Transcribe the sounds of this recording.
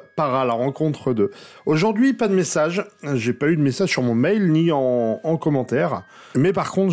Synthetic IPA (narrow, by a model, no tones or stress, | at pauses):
paʁalaʁɑ̃kɔ̃t̪χəd̪əoʒuʁd̪ɥipad̪əmesaʒʒepayd̪əmesaʒsyʁmɔ̃mɛjlniɑ̃ːkɔmɑ̃t̪ɛːʁ | mɛpaʁkɔ̃t̪